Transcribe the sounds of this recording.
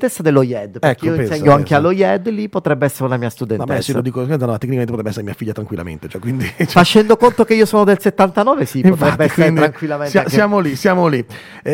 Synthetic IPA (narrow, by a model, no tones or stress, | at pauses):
t̪esːad̪elːojɛd̪pɾɛkeioinsɲːoaŋkealːojɛd̪lipːot̪ɾɛbːeɛsːeɾeunamiːast̪ud̪ɛnamasselo̰d̪iːkokɛnanmat̪ːekːnikamenepotɾɛbɛsːeɾemiːafiʎːat̪ɾaŋkwilːa̰mḛnt̪e̥t͡ʃɛkːwind̪it͡ʃfat͡ʃːɛnd̪okont̪ok̟eiːosoːnod̪elset̪ːant̪anɔːvesippot̪ɾɛbːeɛssːeɾeɾaŋkwilːamensaesjamolisjaːmoli